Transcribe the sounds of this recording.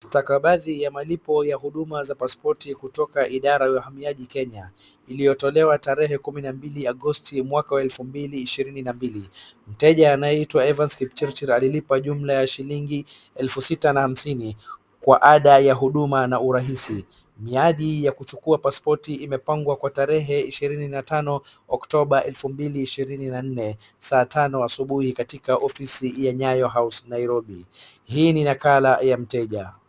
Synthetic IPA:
stakaɓaðijamalipɔjaɦuɗumazapaspɔtikutɔkaʔiɗaɾajaɦamiaʄikɛɲa | ilijɔtɔlɛwataɾɛɦɛkuminambiliaɠɔstimwakawaɛlfumbiliːʃiɾininambilim̩tɛʄaːnajɛitwaɛvanskipt͡ʃɛɾt͡ʃɛɾalilipaʄum̩lajaʃiliŋɡi | ɛlfusitanahamsini | kwaʔaɗajaɦuɗumanauɾaɦisi | miaɗijakut͡ʃukuapaspɔtiːmɛpaŋɡwakwataɾɛɦɛiʃiɾininatanɔ | ɔktɔɓaʔɛlfumbiliːʃiɾininan̩nɛ | saːtanɔasuɓuhikatikaʔɔfisijaɲajɔɦawsnaiɾɔɓihiːninakalajam̩tɛʄa

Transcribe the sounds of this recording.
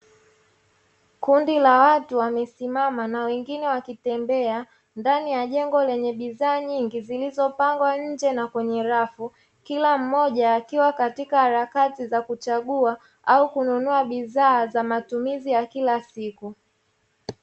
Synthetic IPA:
kundilawatuwamɛsimamanawɛŋɡinɛwakitɛmbɛa | ndanijaʄɛŋɡɔlɛɲɛɓiðaːɲiŋɡizilizɔpaŋɡwaɲ̩d͡ʒɛnakwɛɲɛɾafu | kilam̩mɔʄaːkiwakatikahaɾakatizakut͡ʃaɠua | ʔaukununuaɓiðaːzamatumizijakilasiku

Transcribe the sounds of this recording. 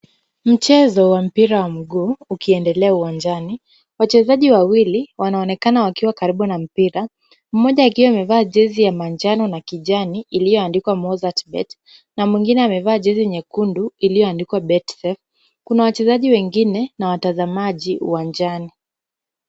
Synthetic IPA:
m̩t͡ʃɛzɔwam̩piɾawam̩ɡuːukiɛndɛlɛauwaɲd͡ʒani | wat͡ʃɛzaʄiwawiliwanaɔnɛkanawakiwakaɾiɓunam̩piɾa | m̩mɔʄaːkiwamɛvaːʄɛzijamand͡ʒanɔnakiʄaniʔːlijɔandikwamɔzatbɛ̰t | namwiŋɡinɛamɛvaːʄɛziɲɛkunduilijɔandikwaɓɛtsɛf | kunawat͡ʃɛzaʄiwɛŋɡinɛnawatazamaʄiṵwand͡ʒani

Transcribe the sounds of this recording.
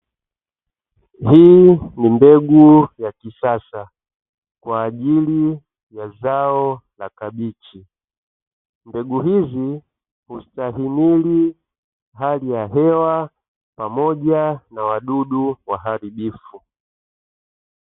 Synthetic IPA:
hiːnimbɛɡujakisasa | kwaːʄili | jazaɔlakaɓit͡ʃi | mbɛɡuɦizi | hustaɦimili | ɦalijaɦɛwa | pamɔʄanawaɗuɗuwaɦaɾiɓifu

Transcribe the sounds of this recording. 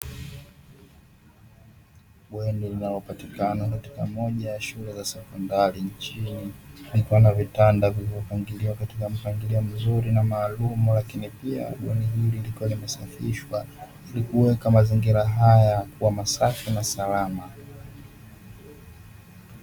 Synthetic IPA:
ɓwɛnilinalɔpatikanakatikamɔʄajaʃulɛzasɛkɔndaɾint͡ʃinilikuwanavitandavilivɔpaŋɡiliwakatikam̩paŋɡiliɔm̩zuɾinamaːlumulakinipia̰ɓwɛniɦililikuwalimɛsafiʃwa | ilikuwɛkamaziŋɡiɾaɦajakuwamasafinasalama

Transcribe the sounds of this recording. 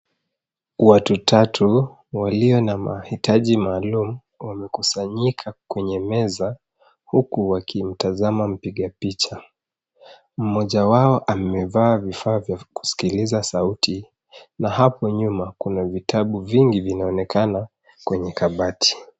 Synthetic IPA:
watutʰatʰu | waliɔnamahitaʄimaːlumu | wamɛkusaɲikʰakwɛɲɛmɛza | hukuwakʰim̩tazamam̩piɠapit͡ʃa | m̩mɔʄawaɔʔamɛvaːvifaːvjaku̥si̥kilizasautʰi | naɦapɔɲumakunavitʰaɓuviŋɡivinaɔnɛkʰana | kwɛɲɛkaɓatʰi̥

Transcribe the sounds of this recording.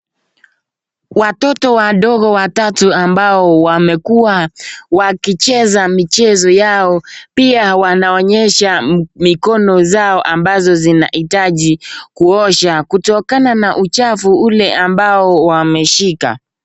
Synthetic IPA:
watɔtɔwaɗɔɣɔwatatuambaɔwamɛkuwawakit͡ʃɛzamit͡ʃɛzɔjaɔpiawanaɔɲɛʃamikɔnɔzaɔʔambazɔzina̰hitaʄikuɔʃakutɔkananaʔut͡ʃafuulɛambaɔwamɛʃika̰

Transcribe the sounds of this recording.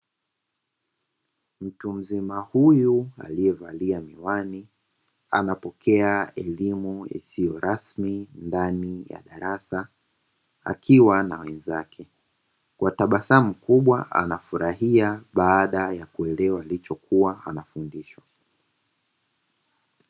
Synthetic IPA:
m̩tum̩zimahujua̰liɛva̰liamiwani | a̰napɔkʰɛaɛlimuḭsijɔɾasmindanija̰ɗaɾasa | a̰kʰiwana̰wɛnzakʰɛ | kwataɓasam̩kuɓwaʔa̰nafuɾaɦiaɓaːɗajakuɛlɛwaːlit͡ʃɔkuaanafundiʃwa

